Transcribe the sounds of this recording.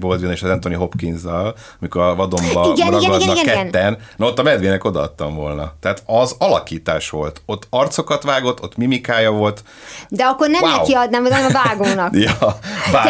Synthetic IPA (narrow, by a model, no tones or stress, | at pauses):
bold̪ʋineːʃɒzɛnt̪o̞niɦo̞pkinzɒl | ɒmikoɾɒvɒd̪o̞mbɒiɡnɾɛɡɛiɡɛkɛɛnːɛnnot̪ːɒmɛd̪ʋeːnɛko̞d̪ɒɒ̰t̪ːɒɱvo̞lnɒt̪ɛɦaːt̪ɒzɒlɒkiːt̪a̰ːʃʋo̞̰lt̪o̞t̪ːɒrt̪so̞kɒt̪ʋaːɡo̞t̪ːo̞t̪ːmimikaːjɒvo̞lt̪ | d̪ɛɒkːo̞rnɛmnɛwiɒd̪naːmonɛmɒvaːɡoːnɒkjvaː